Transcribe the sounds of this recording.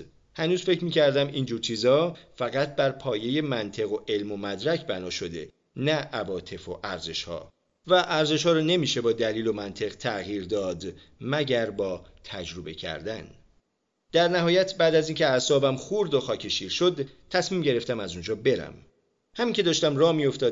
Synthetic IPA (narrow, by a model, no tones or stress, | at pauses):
hænuːzfe̞cʰɾmiːcʰæɾd̪æmiːnd͡ʒuːɾt͡ʃʰiːzɒːfæɣæt̪̚ʰbæɾpʰɒːje̞je̞mænt̪ʰe̞ɣo̞ʔe̞lmo̞mæd̪ɾæcʰbænɒːʃo̞d̪e̞̰ | næʔːvɒːt̪ʰe̞fo̞ʔæɾze̞ʃhɒ̰ː | væʔæɾze̞ʃhɒːɾɔːne̞miːʃe̞bɒːd̪æliːlo̞mænt̪ʰe̞ɣt̪ʰæɣiːɾd̪ɒːd̪ | mæɟæɾbɒːt̪ʰæd͡ʒɾobe̞cʰæ̰ɾd̪æn | d̪̥æɾnæɦɒːjæt̪ʰbæːd̪æzincʰe̞æsɒːbæmxuɾd̪oxɒːcʰeʃiːɾʃo̞d̪t̪ʰːæsmiːmɟe̞ɾe̞ft̪æmæzund͡ʒɒːbe̞ɾæ̰m | hæmincʰe̞d̪ɒːʃt̪æmrɒːmijo̞ft̪ɒːd̪